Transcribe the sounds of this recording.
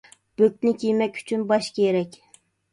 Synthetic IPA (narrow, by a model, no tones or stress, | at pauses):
b̥øk̪̚nɪkʲʰijmɛkʲy̥t͡ʃʰynbɑʃkʲʰeɾɛkʲ